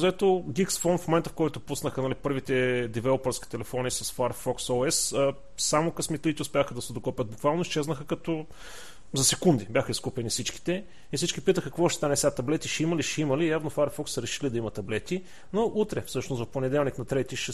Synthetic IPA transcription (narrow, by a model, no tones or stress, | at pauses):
zɐɛt̪oɡʲiksfɔnfmomɛnt̪əfkɔjt̪ʊpusnəxənɐlipɤɾvit̪ɛd̪ɛvɛlˠopəɾskʲi̥t̪ɛlɛfɔnisɐsfaɾfɔksɔɛs | samokɐsmit̪lit̪ɛʊspʲjaxəd̪ɐsɛd̪ʊkɔpʲət̪̚bukvalˠnoist͡ʃɛznəxəkɐt̪ɔ | zɐsɛkund̪ibʲjaxəiskupʲɛnisit͡ʃki̥t̪ɛ | ifsit͡ʃkʲipit̪əxəkvɔʃɛ̥t̪anɛsʲat̪ɐblɛt̪iʃɛiməliʃɛimɐlijavnofaɾfɔksːəɾɛʃilid̪ɐimɐt̪ɐblɛt̪i | noʔut̪ɾɛfsɤʃnosvɐfponɛd̪ɛlˠniknɐt̪ɾɛt̪iʃɛ